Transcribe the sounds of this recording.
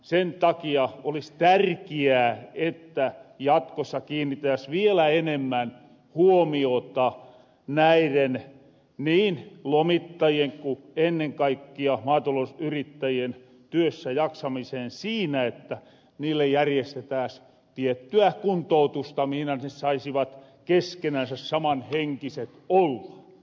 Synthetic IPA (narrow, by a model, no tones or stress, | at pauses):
sent̪ɑkiɑolist̪ærkiæːet̪ːæjɑt̪kosːɑkiːnːit̪æsʋielæenemːæn | huomiot̪ɑ | næiren | niːnlomit̪ːɑjieŋkuenːeŋkɑikːiɑmɑːt̪olosyrit̪ːæjien | t̪yøsːæjɑksɑmiseːnsiːnæet̪ːæ | niːlːejjærjest̪et̪æːˑs | t̪iet̪ːyækunt̪out̪ust̪ɑmihinæsesɑisiʋɑt̪keskenænsæssɑmɑnheŋkiset̪olːɑ